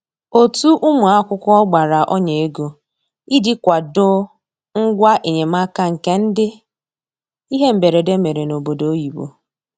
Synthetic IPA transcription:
o˨tu˦ʔʊ˦mʊ˨a˦kʷʊ˦kʷʊ˦ɔ˦ɡ͡ba˨ɾa˨ʔɔ˦ɲe˨e˦ɡo˨ | i˦dɪ˦kʷa˨dʊ˦ | ŋ̩˦ɡʷa˦ʔe˨ɲe˨ma˦ka˦ŋ̩˨ke˦n̩˦dɪ˦ | i˦ɦe˦m̩˨be˨ɾe˨de˦me˨ɾe˨no˨bo˨do˨o˦ji˨wo̰˨

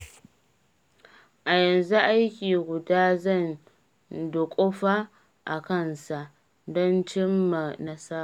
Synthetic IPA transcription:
ʔa˨jɐ˨nzu˦ʔa˦jkʲiː˨ɡʷʊ˨daː˦zɐ˦˨n | dʊ˨kʷʼo˦ɸaː˦ | ʔa˨kɐ˦˨nsa˨ʔ | dɔ˦nt͡ʃɪ˦mːa˨nɐ˦sa˦˨

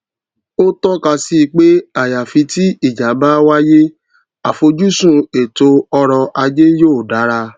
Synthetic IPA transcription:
o˦tɔ˦ka˧si˧˦˧k͡pe˦a˦˨ja˨fi˨˧˦ti˦i˦˨d͡ʒa˨˦ba˦wa˦je˦ | a˨fo˧d͡ʒu˦sũ˦˨e˨to˧ɔ˧ɾɔ˧ʔa˧d͡ʒe˦joː˦˨da˨˦ɾa˧

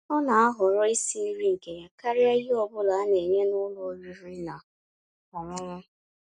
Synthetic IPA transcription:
ɔ˦na˨a˦ɦʊ˨ɾɔ˦i˦si˦ɾi˦ŋ̩˨ke˨ɲa˨ka˦ɾi˦a˦i˦ɔ˦bʊ˦la˨a˦ne˨ɲe˦nʊ˦lo˨˦ɾi˦ɾi˦na˨ | ɔ˨ŋʊ˦ʊ˦

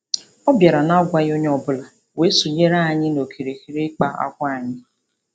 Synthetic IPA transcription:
ɔ˦bja˨ɾa˨na˦ɡʷa˦jo˦ɲe˦ɔ˨bʊ˦la˨ | we˨˦su˨ɲe˦ɾa˦˨ɲɪ˦no˨kʰi˨ɾe˨ki˨ɾe˦k͡pa˨a̰˦kʷa˦˨a˨ɲɪ˦

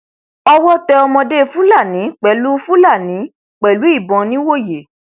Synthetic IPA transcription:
ɔ˧wɔ˦tɛ˧ɔ˧mɔ̃˧de˦fũ˦la˦˨nĩ˨˦k͡pɛ˨˦lu˦fũ˦la˦˨nĩ˨˦ | k͡pɛ˨lu˨˦i˦˨bɔ̃˨˧nĩ˦wo˦˨je˨˦

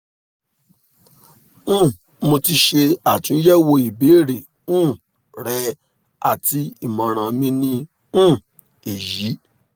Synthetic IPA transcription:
ũ˦˨ | mo˧ti˧ʃe˧a˨tũ˨˦jɛ˦wo˧i˨be˨˦˨ɾe˨ | ũ˦˨ | ɾɛ˧ | a̰˨ti˧i˦˨mã˨ɾ̃ã˨mĩ˧˦nĩ˧ | ũ˦˨ | e˨ji˨˦

